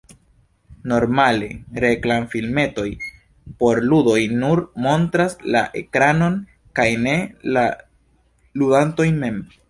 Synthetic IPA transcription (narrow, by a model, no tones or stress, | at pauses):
no̞ɾmale̞ɾe̞klamfilme̞to̞j | po̞ɾludo̞jnuɾmo̞ntɾasla̰ʔe̞kɾano̞n | kajne̞la | ludanto̞jme̞m